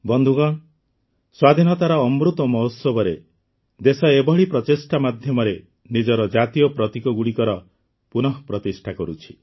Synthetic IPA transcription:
bɔnd̪ʱuɡɔɳ | swad̪ʱinɔt̪aɾɔːmɾut̪ɔmɔɦot̪sɔbɔɾe | d̪esɔebɔɭipɾɔt͡ʃesʈʰamad̪ʱjɔmɔɾe | nid͡ʒɔɾɔd͡ʒat̪ijɔpɾɔt̪ikɔɡuɽikɔɾɔ | punɔɦpɾɔt̪isʈʰakɔɾut͡ʃʰi̥

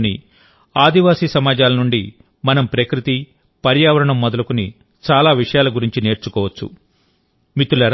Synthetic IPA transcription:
ni | aːd̪iʋaːsiːsɐmaːd͡ʒaːlɐnuɳɖi | mɐnɐmpɾɐkɾit̪i | pɐɾjaːʋɐɾɐɳɐmːɔd̪ɐlukuni | t͡ʃaːlaːʋiʂɐjaːlɐɡuɾiɲt͡ʃine̞ːɾt͡ʃukɔːʋɐt͡ʃːṵ | mit̪ulɐɾ

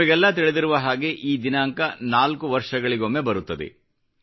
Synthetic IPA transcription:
iɡɛlːɐt̪iɭed̪iɾuʋɐɦaːɡe̞ʔiːd̪inaːŋkɐnaːlkuʋɐɾʂɐɡɐɭiɡomːebɐɾut̪ːɐd̪ḛ

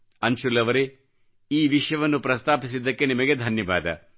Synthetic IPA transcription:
ɐnʃulɐʋɐɾe | iːʋiʂjɐʋɐnːupɾɐst̪ʰaːpisid̪ɐkːe̞nimɐɡe̞d̪ʱɐnjɐʋa̰ːd̪ʱɐ̰

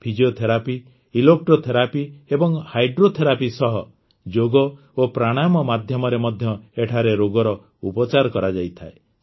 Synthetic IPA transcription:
pʰid͡ʒiot̪ʰeɾapi | ilok̚ʈɾot̪ʰeɾapiebɔŋhajɖɾot̪ʰeɾapisɔɦɔ | d͡ʒoɡɔ | opɾaɽ̃amɔmad̪ʱjɔmɔɾemɔd̪ʱjɔeʈʰaɾeɾoɡɔɾɔ | upɔt͡ʃaɾɔkɔɾad͡ʒajt̪ʰae

